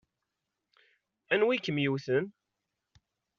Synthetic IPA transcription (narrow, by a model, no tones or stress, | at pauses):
ænwikːəmjuwθən